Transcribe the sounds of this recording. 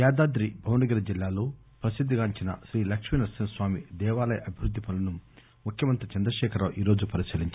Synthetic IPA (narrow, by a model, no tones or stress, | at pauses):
jaːd̪aːd̪ɾibʱɐwnɐɡɐɾɐd͡ʒilːaːlo̞ː | pɾɐsid̪ʱːiɡaːɲt͡ʃinɐ̰ʃɾiːlɐkʂminɐɾsinɐsʋaːmḭd̪ɛːʋaːlɐjʔɐbʱiʋɾud̪ʱːipʰɐlɐnu | mukʰjɐmɐnt̪ɐt͡ʃɐnd̪ɾɐʃɛːkʰɐɾaːʔiːɾoːd͡ʒupɐɾisiliɲt͡ʃ